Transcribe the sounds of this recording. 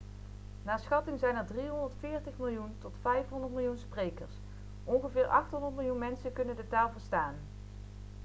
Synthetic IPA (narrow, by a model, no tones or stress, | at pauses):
naːɹsχɑtɪŋzɛjnəɹdriɦɔndəɹtfɪːɹtəχmɪlˠjuntɔtfɛjfɦɔndəɹtmɪlˠjunsprejkəɹs | ʔɔnχəvɪːɹʔɑχtɦɔndəɹtmɪlˠjunmɛnsəkɵnəndətaːlˠvəɹstaːn